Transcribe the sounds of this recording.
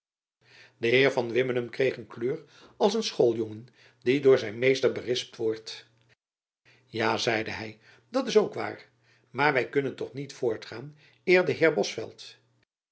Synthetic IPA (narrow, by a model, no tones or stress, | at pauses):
dəɦɪːɹvɑnʋɪmənəmkrejχənkløːɹ | ɑlˠs̬ənsχolˠjɔŋən | didʊːɹzɛjnmejstəɹbərɪsp̚tʋɔɹt | jaːzɛjdəɦɛj | dɑtɪsowkʋa̰ːɹ | maːɹʋɛjkɵnəntɔχnitfʊːɹtχaːn | ɪːɹdəɦɪːɹbɔsfɛ̰lˠt